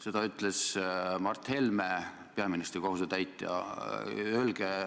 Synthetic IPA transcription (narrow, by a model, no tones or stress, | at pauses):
se̞d̪ɑyt̪ˑlesmɑrt̪he̞lme | peɑminist̪ɾiko̞ɦuset̪æjt̪ːˑjɑ̰ | ølɡ̥e